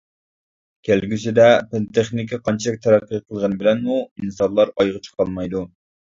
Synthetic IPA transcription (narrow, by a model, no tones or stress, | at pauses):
kʲʰælɡʲysɪd̪ɛpelt̪ʰeχnɪkʲiqʰɑnt͡ʃʰilɪk̚ʲt̪ʰɛɾæqːijqʰəlˠʁənbɪlɛnmuinsɑlˠɑɾɑjʁət͡ʃʰə̥qʰɑlˠmɑjd̪u